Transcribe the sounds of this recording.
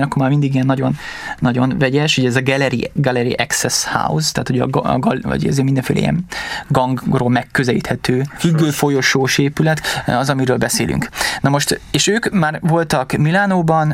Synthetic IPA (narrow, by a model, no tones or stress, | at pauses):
ɲɒkːormaːrmind̪iɡijɛnːɒɟo̞nː | ɒɟo̞nvɛɟɛʃhuɟɛzɒɡɛlɛɾḭɡɛlɛɾḭʔɛksɛsha̰ust̪aːt̪hoɟɒ̰ɡlɒ̰ɟɒ̰zeːmind̪ɛɱfeːlʔɛḭɛ̰nɡɒŋɡroːlmɛkːøzɛlḭt̪hɛt̪øːhyɡːøːfo̞jo̞ʃoːʃeːpylɛt̪ɒzɒmiɾøːlbɛsḛːly̰ŋknɒmo̞ʃt̪eːʃøːkmaːrvo̞lt̪ɒkmilaːnoːbɒn